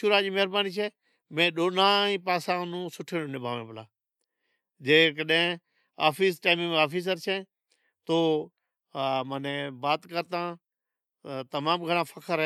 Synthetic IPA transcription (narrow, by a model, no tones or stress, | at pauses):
ʃuːɾaːd͡ʒiːməɦɪɾbaːniːt͡ʃʰeː | mẽːɗoːnãːĩːpaːsãːnũːsʊʈʰeːõːnɪbʱaːʋẽːbəlãː | d͡ʒeːkəɗɦẽ | a̰ːfʰiːsʈaːmĩmẽːaːfiːs̬əɾt͡ʃʰẽː | t̪oː | mənẽːbaːt̪kəɾt̪ãː | t̪əmaːmɡʱəɽãːfʰəkʰəɾ